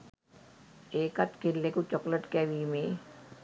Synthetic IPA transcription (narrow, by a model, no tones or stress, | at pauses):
eːkɐt̪kɪlːekut͡ʃɔkləʈkɛːʋiːmẽ